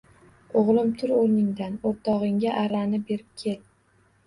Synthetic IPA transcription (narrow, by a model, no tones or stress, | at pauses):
oʁlˠɪmt̪ʰʊɾoɾnɪŋd̪anoɾt̪ʰɒʁɪŋɡʲaʔaɾanɪbe̞ɾɪp̚kʲʰe̞t̪̚